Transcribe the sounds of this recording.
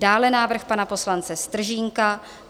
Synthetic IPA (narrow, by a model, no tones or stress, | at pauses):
daːlɛnaːvr̩xpanapo̞slant͡sɛst̪r̩ʒiːŋka